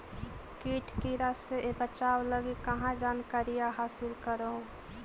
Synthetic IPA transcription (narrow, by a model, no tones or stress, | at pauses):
kiːʈʰkiɾaseebət͡ʃaːwləɡikəɦãd͡ʒaːnkaɾijaɦaːsɪlkəɾõ